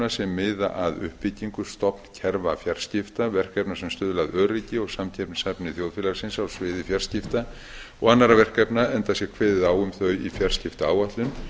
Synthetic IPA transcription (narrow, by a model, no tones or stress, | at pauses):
nasɛmːɪːða̰ʔaðʏ̰hpːɪciŋkʏst̪ɔpn̥cʰɛɾvafjar̥scɪft̪avɛr̥kɛpnasɛmst̪ʏːðʏlaðœːɾicɪɔɣsamcʰɛpnsapnɪθjowðfɪlasɪnsawsvɪːðɪfjar̥scɪft̪a | ɔɣanːaɾavɛr̥kɛpnaɛnt̪asjɛkʰvɛːðɪðaːwʏmθœɥifjar̥scɪft̪aaːwaht̪lʏn